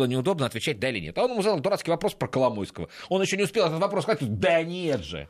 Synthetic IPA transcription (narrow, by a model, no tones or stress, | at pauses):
lˠənʲɪʊd̪o̞bnəɐt̪vʲɪt͡ɕæt̚ʲd̪aɪlʲɪ̰nʲet̪ɐonɪmuzad̪əlˠd̪ʊɾat̪kʲɪjvɐpɾo̞spɾəkəlˠɐmojskəvəo̞njɪɕːonʲɪʊspʲelˠɛt̪t̪vɐpɾoskzat̪ʲd̪ɐnʲet̪ʐɨ̰